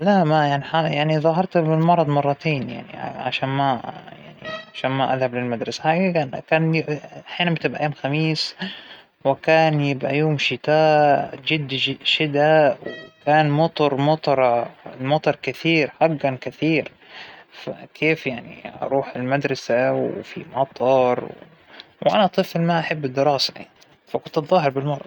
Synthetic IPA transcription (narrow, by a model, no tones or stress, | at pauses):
lamajaʕniħajaʕniðˤɑɦɑɾˤt̪bɪlmɑɾˤɑd̪ˤmɑrˤːɑt̪eːnja̰ʕnḭʕa̰ʃaːnmaja̰ʕnḭʕaʃaːnmaʔaðhablɪlmad̪ɾˤɑsaħaɡakankaːnaħjaːnambɪt̪ɪbʔajoːmxamiːs | wɪkaːnjɪbʔa̰joːmʃɪt̪aːd͡ʒɪd̪ːʃɪd̪awwɪkaːnmɑt̪ˤɑɾˤmɑt̪ˤɑɾˤɑmɑt̪ˤɑɾˤkɪθiːɾħaɡːankɪθiːɾ | fa̰kʰeːfjaʕnḭʔɑ̰ɾˤuːħɪlmad̪ɾˤɑsawfḭmɑt̪ˤɑɾˤw | wʔanaʔt̪ˤɨflmaʔaħabːɪd̪ːɪɾɑːsaʔḛ | fakʊnt̪ɑt̪ˤðˤɑːɦɪɾbɪlmɑɾˤʔɑ̰